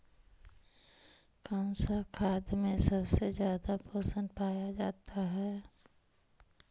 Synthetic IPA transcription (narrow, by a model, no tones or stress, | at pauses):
kãːnsakʰaːd̪mẽsəbsezjaːd̪apəsə̃nd̪paːjad͡ʒaːt̪aɦɛː